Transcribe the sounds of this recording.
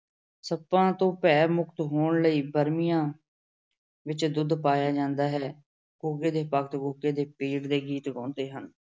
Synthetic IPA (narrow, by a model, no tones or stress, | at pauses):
səpːãːt̪õːpɛːɾmʊkt̪ɦoːɳləiːbəɾmijãː | ʋɪt͡ʃd̪ʊd̪paːjaːd͡ʒãːnd̪aːɦɛː | ɡuːɡeːd̪eːpəkt̪ɡoːɡeːd̪eːpiːɽd̪eːɡiːt̪ɡɔ̃ːnd̪eːɦən